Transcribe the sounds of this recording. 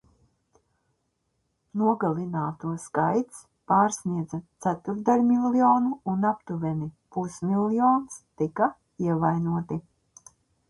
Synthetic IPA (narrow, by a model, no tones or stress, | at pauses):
nuɔɡalˠinaːt̪uɔskajt̪s | paːɾsniɛd̪zat̪sæt̪uɾd̪alʲmilˠiɔːnuːnapt̪uvʲɛnipusmilˠjoːnst̪ika | iɛvajnuɔt̪i